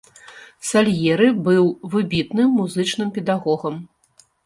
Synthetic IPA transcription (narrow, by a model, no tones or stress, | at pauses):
salʲjɛɾɨbɨwvɨbʲit̪nɨmːuzɨt͡ʂnɨmpʲɛd̪aɣɔɣɐm